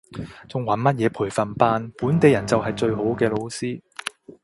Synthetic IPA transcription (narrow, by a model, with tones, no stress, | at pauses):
t͡sʊ˨ŋwɐ˨˥nmɐ˥t̚jɛː˨˧pʰuː˨˩jfɐ˨npaː˧npuː˨˥nt̪e˨˧jɐ˨˩nt͡sɐ˨whɐ˨jt͡sɵ˧ɥɦo˨˥wkɛː˧lo˨˧wsiː˥